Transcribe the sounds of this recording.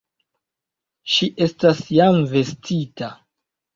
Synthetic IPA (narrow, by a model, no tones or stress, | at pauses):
ʃiʔe̞stasjamve̞stʰita